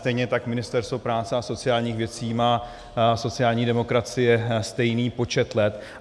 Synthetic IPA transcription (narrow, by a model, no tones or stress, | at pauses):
t̪ɛjɲɛt̪akmɪnɪst̪ɛɾst̪vo̞pɾaːt͡sɛaso̞t͡sɪjaːlɲiːxvjɛt͡siːmaː | so̞t͡sɪaːlɲiːdɛmo̞kɾat͡sɪjɛst̪ɛjniːpo̞t͡ʃɛt̪lɛt̪